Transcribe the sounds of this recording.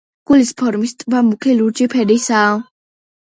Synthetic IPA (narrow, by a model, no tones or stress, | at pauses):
ɡ̥ulispʰɔɾmist̪ʼbamukʰɛluɾd͡ʒipʰɛdisa